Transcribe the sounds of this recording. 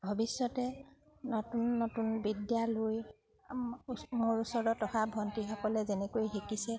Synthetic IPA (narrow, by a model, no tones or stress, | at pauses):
bʱɔbisːɔtɛ | nɔtunːotunbidjaloj | moɹusɔɹɔtɔxabʱɔntixɔkɔlɛzɛnɛkojxekisɛ